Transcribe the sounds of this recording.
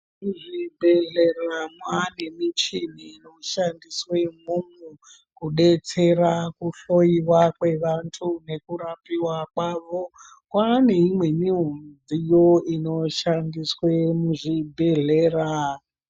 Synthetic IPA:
muʐibʱe̞ɮe̞ramwane̞mit͡ʃiniːno̞ʃandiswemumwu | kuɗe̞t͡se̞rakuɬo̞iwakwe̞ʋantʰune̞kuɾapiwakwaʋo | kwane̞imwe̞miɦund͡zijo̞ino̞ʃandiswemuʐibʱe̞ɮeːra

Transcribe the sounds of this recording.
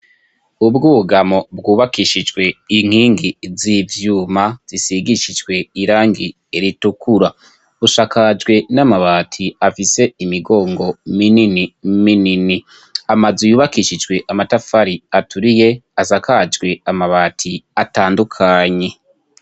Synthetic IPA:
ubɡuβuɡamo̞bɡuːβakiʃid͡ʒɡwe̞iŋ̥hiːŋɡizivjuːmaz̥isiɡiʃid͡ʒwe̞iɾaːŋɡi | eɾitukʰuɾa | βuʃakad͡ʒɡwe̞namaβatʰiafise̞imiɡo̞ːŋɡo̞mininiminini | amazujuːβakiʃid͡ʒɡwe̞ʔamatafaɾiatuɾije̞azakad͡ʒɡwe̞amaβatʰiataːndukʰaɲe̞

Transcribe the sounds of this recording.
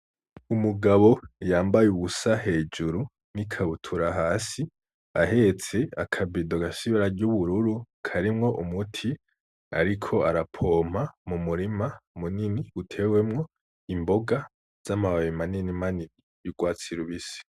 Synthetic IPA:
umuɡaβo̞jaːmbajuβusahe̞ːd͡ʒuɾu | nikʰaβutʰuɾaɦaːsi | aɦe̞t͡se̞akʰabidoɡasiβiɾaɾɟuβuɾuɾu | kʰaɾimŋo̞ʔumutʰi | a̰ɾikʰo̞aɾapʰo̞ːm̥amumuɾimamuniniutʰe̞wemŋo | imboɡa | z̥amaβaβimaninimaniβi | jiɡwaːt͡siɾuβise̥

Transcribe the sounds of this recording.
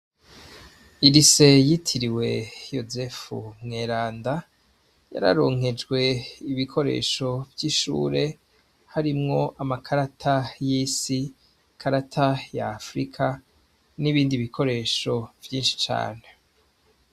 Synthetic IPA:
iɾise̞jitʰiɾiwe̞jo̞zefṵmŋeɾaːnda | ja̰ɾa̰ɾo̞̰ːŋ̥e̞d͡ʒɡwe̞iβikʰo̞ɾe̞̰ːʃo̞vjiːʃṵːɾe̞ | haɾimŋo̞ʔamakʰaɾatʰajisi | kʰaɾatʰajaːfɾikʰa | niβiːndiβikʰo̞ɾe̞ːʃo̞vjiːnʃi̥t͡ʃa̰ːne̞

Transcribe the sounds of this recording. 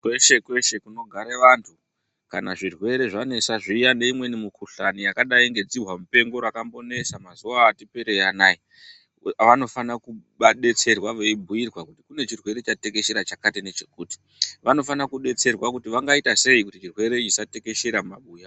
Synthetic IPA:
kweʃe̞kwe̞ʃe̞kuno̞ɡʱaɾeʋantʰu | kanaʐirwe̞ɾe̞ʐane̞saʐijane̞imwe̞nimukuɬanijakaɗaiŋɡe̞d͡ziɦwamupe̞ŋɡo̞ɾakambo̞ne̞samazuwaːtipe̞ɾe̞janaːi | ʋano̞fanakuɓaɗe̞t͡se̞rwaʋe̞ibʱujirwakutikune̞t͡ʃirwe̞ɾe̞t͡ʃatekeʃeɾat͡ʃakatenet͡ʃekuːti̥ | ʋano̞fanakuɗe̞t͡se̞rwakutiʋaŋɡaitase̞ikutit͡ʃirwe̞ɾe̞it͡ʃisate̞ke̞ʃeɾamaɓuːja

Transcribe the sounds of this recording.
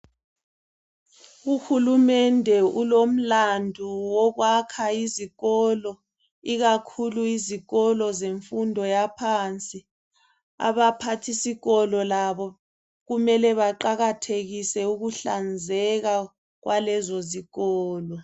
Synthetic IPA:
uxulumɛndʱɛulom̩landʱuwɔɣwakʰaiziɣɔlɔ | iɣakʰuluiziɣɔlɔzeɱfundʱɔjapʰant͡sʼi | a̰βapʰatʰisiɣɔlɔlaβɔ | ɣumɛlɛβaǃaɣatʰeɣisɛuɣuɬand͡zʱɛɣa | ɣwʔalɛzoziɣɔːlɔ

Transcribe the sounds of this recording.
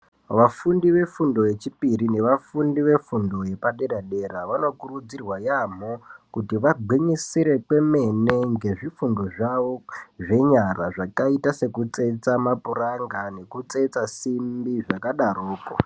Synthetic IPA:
ʋafundiʋe̞fundo̞je̞t͡ʃipirine̞ʋafundiʋe̞fundo̞je̞paɗe̞ɗaɗe̞ɾaʋano̞kurud͡zirwajam̤okutiʋaɡʱwiɲisiɾe̞kwe̞me̞ne̞ŋɡe̞ʐifundo̞ʐaʋoʐe̞ɲaraʐakaitase̞kut͡se̞t͡samapuraŋɡane̞kut͡se̞t͡sasimbiʐakaɗaroːko̰

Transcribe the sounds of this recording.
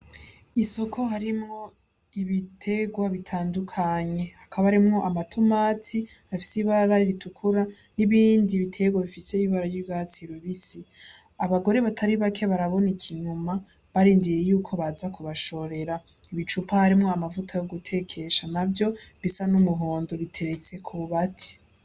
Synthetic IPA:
iso̞kʰo̞ɦaɾimŋo̞ | iβitʰe̞ɡwaβitʰaːndukʰaɲe̞hakʰaβahaɾimŋo̞ʔamatʰumaːtʰi | hafi̥siβaɾaiɾitʰukʰuɾa | niβiːndiβitʰe̞ɡwaβifise̞iβaɾajibɡat͡siɾoβisi | aβaɡo̞ɾe̞βatʰaɾiβakʰe̞βaɾaβo̞nikʰiɲuma | βaɾiːndijejuːkʰo̞βazakʰuβaʃo̞ɾe̞ɾa | iβit͡ʃupahaɾimŋoamavutʰajo̞ɡutʰe̞kʰe̞ʃanabjo̞βisanumuɦoːndoɾitʰe̞ɾe̞t͡se̞kʰuβuβatʰi̥

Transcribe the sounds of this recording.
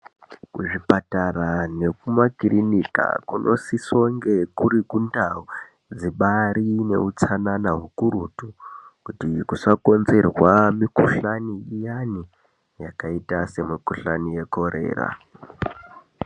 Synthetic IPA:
kuʐipatarane̞kumakirinika̰kunʔo̞siso̞ŋɡe̞kuɾikundau | d͡ziɓaɾine̞̰ut͡sananaɦukuɾutukutikusako̞nze̞rwamikuɬaniijani | jakaitase̞mikuɬanije̞ko̞ɾe̞̰ːra̰

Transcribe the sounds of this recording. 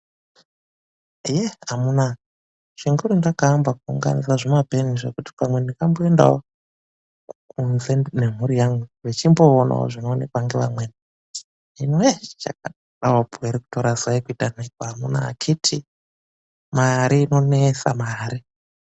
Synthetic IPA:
jeamuna | ʐ̥iŋɡuɾundakaːmbakuuŋɡa̰nisaʐemabʱe̞niʐekuti̥pamwe̞ndikambo̞enda̰o | kunzenem̤uɾijamɡuʋet͡ʃimbo̞ona̰o̰ʐino̞ːnekwaŋɡeʋamweni | inoet͡ʃa̰k̚a | ɗawopueɾiku̥toɾasaikuitanekwaamuna̰ːt͡ʃʰitʰi | maɾiːno̞nesa̰maːɾi

